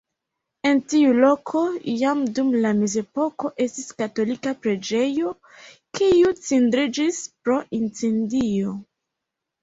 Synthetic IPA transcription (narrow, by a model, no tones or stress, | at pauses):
e̞ntiulo̞kʰo̞jamdumlameze̞po̞ko̞ʔe̞stiskato̞likapɾe̞d͡ʒe̞jo̞ | kiut͡sindɾid͡ʒispɾo̞ʔint͡sendio̞